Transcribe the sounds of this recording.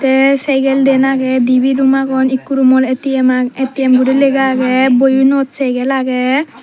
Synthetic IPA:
t̪ɛsɛjɡɛld̪ɛnaɡɛd̪ibidumaɡɔnikːuɾumɔlet̪imaet̪iɛmɡuɽileɡaːɡɛbojunɔt̪sɛjɡɛlaɡɛ

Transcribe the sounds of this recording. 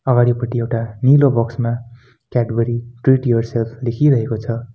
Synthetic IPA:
ʌɡaɽipʌʈiewʈanilobʌksma | kaʈbʌɾiʈriʈjorselpʰlekʰiɾʌɦekot͡sʰʌ

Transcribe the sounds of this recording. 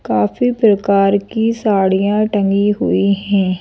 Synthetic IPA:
kaːfʰiːpɾəkaːɾkiːsaːɽijãːʈə̃ŋɡiːɦʊiːɦɛ̃ː

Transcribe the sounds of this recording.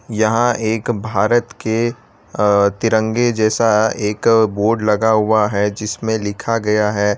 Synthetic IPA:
jɐɦãʔeːkbʱaːɾət̪ke | t̪ɪɾə̃ŋɡed͡ʒɛːsaeːkboːɾɖlɐɡaɦʊaɦɛd͡ʒɪsmẽlɪkʰaɡɐjaɦɛː

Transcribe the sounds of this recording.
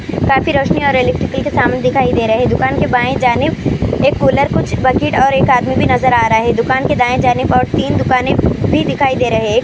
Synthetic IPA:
kaːfiɾoːʃniɔːɾelɛk̚ʈɾɪkəlkesaːmned̪ɪkʰaːid̪eːɾɐɦed̪ʊkaːnkebaːẽd͡ʒaːnɪbeːkkoːləɾkʊt͡ʃʰbɐkiːʈɔːɾeːkaːd̪mibʱinɐzəɾaːɾɐɦaɦɛd̪ʊkaːnked̪aːẽd͡ʒaːnɪbɔːɾt̪iːnd̪ʊkaːnẽbʱid̪ɪkʰaːid̪eːɾɐɦeː

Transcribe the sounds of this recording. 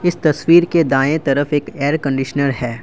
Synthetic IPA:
ɪst̪ɐswiːɾked̪aːẽt̪ɐɾəfeːkeːəɾkɐ̃ɳɖɪʃənəɾɦɛː

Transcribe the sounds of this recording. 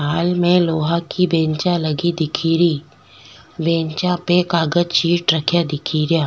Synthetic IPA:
aːlmẽloːɦakibẽːɲt͡ʃalɐɡid̪ɪkʰiːɾi | bẽːɲt͡ʃãpekaːɡəd͡ʒt͡ʃiːʈɾəkʰjad̪ɪkʰiːɾjaː

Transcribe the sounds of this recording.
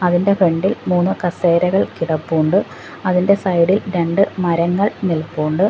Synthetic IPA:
ɐðinde̞fe̞ɳɖilmuːnːukɐseːɾɐɣɐɭkiɽɐpːuːɳɖɨ | ɐðinde̞sɐjɽilɾe̞ɳɖɨmɐɾɐŋːɐɭnilpːuːɳɖɨ

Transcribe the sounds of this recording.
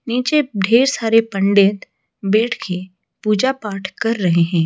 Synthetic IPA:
niːt͡ʃeɖʱeːɾsaːɾepə̃ɳɖeːt̪ | beːʈʰkʰe | puːd͡ʒapaːʈʰkɐɾːɐɦeɦɛ̃ː

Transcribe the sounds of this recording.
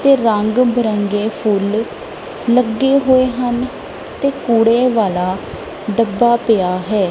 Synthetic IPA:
t̪eːɾəŋɡbəɾəŋɡeːpʰʊlː | əɡːeːɦoːeːɦən | t̪eːkuːɽeːʋaːlaː | ɖəbːaːpɪjaːɦɛː

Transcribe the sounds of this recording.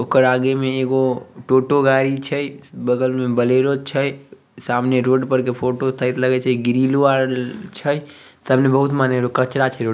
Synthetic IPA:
okəɾaɡemẽeɡoʈoʈoɡaɾit͡ʃʰəjbəɡəlmẽbəleɾot͡ʃʰəj | samneɾoːɖpəɾkepʰoʈot̪ʰəjt̪ləɡɛt͡ʃʰəɡiɾiluaɾt͡ʃʰəsəbnebəɦut̪maneɾokət͡ʃɾat͡ʃʰəɾoɖ

